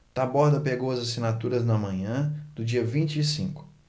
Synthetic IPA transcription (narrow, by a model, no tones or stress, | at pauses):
t̪abɔɾd̪ɐpeɡowɐzasinat̪uɾɐznɐmɐ̃ɲɐ̃d̪̥ʊd͡ʒiɐvĩnt͡ʃɪːsĩkʊ̥